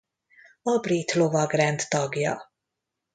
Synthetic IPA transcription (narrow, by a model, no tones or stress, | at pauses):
ɒbrit̪lovɒɡrɛnt̪t̪ɒɡjɒ̰